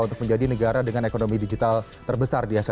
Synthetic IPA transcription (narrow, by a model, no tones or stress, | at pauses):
unt̪ʊk̚məɲd͡ʒadinəɡaɾadəŋanekonomidid͡ʒit̪alt̪ərbəsardiɦasa